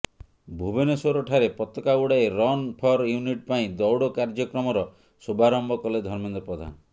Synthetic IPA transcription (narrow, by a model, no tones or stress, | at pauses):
bʱubenesoɾɔʈʰaɾepɔt̪ɔkauɽaeɾɔnpʰɔɾjuniʈpaĩd̪ɔwɽɔkaɾd͡ʒɔkɾɔmɔɾɔ | subaɾɔmbɔkɔled̪ʱɔɾmend̪ɔpɾɔd̪ʱa̰nɔ